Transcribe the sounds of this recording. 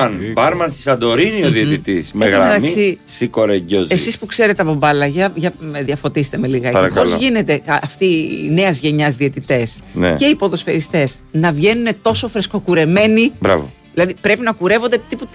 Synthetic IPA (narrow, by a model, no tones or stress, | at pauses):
ɐnbɐɾmɐnst̪i̥sɐnd̪o̞ɾinioðiet̪it̪ismeɣɾɐɐmisisiko̞ɾeɲɟozesispukse̞ɾet̪eɐpo̞bɐlɐʝɐʝɐmðiɐfo̞t̪ist̪e̞me̞liɣɐpɐɐkolzʝine̞t̪e̞ɐft̪ine̞ɐzʝe̞ɲɐzðiet̪it̪e̞snḛce̞ipo̞ðo̞sfeɾist̪e̞s | nɐvʝe̞nune̞t̪o̞so̞fɾesko̞kuɾe̞me̞nibɾɐ̰vo̰ | ðilɐðipɾe̞pinɐkuɾe̞vo̞nd̪e̞t̪iput̪